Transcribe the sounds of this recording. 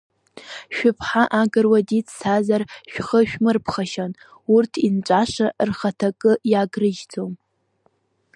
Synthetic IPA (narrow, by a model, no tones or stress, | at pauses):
ʃᶣʊpʰħaʔaɡɨrwadit͡sʰʼsazarʃᶣχəʃᶣmɨrpʰχaʃan | urtʰint͡ʃʷʼaʂarχatʰakʼɨjaɡrɨʒd͡zʰʼom